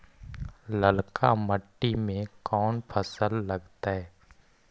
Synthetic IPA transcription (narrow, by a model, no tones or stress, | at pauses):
ləlkaməʈːimẽkɔːnpʰəsəlːɐɡt̪aɦɛː